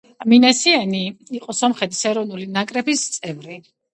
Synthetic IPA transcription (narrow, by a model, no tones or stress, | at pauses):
minɛsianiiqʼɔsɔmχɛt̪ʰʼi̥sɛɾɔvnulinakʼɾɛbist̪sʼɛvɾi